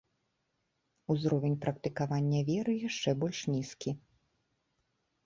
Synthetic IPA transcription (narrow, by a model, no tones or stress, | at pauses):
uzɾɔvʲenʲpɾɐk̚t̪ɨkavanʲːɐvʲɛɾɨjaʂt͡ʂɛbɔlʲʂnʲiskʲi